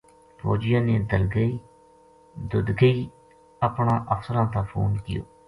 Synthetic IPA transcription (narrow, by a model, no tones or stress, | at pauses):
pʰo̰ːd͡ʒɪjãːneːd̪əlɡəiː | d̪ʊd̪ɡəiː | əpɳãːʔəfsəɾãːt̪ãːpʰo̰ːnkɪ̰jo̰ː